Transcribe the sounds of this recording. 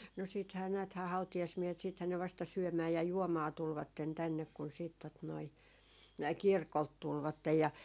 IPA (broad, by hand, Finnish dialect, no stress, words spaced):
no siːthæː næːthæː hɑutijɑsmiehet siːthæn ne ʋɑstɑ syømæː jɑ juomɑː tulʋɑtːen tænːek kun siːt tot noi kirkolt tulʋɑtːej jɑ